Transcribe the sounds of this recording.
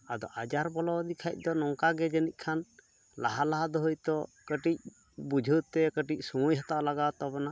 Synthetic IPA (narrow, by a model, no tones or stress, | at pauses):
ad̪ɔ̰ʔad͡ʒaɾbɔlɔd̪ikʰac̚ˀd̪ɔnɔŋkaɡɛd͡ʒənic̚ˀkʰan | la̰ɦalaɦad̪ɔɦɔjt̪ɔkəʈic̚ | bud͡ʒʱət̪ɛkəʈic̚sumujɦat̪aʔlaɡat̪ɔbɔna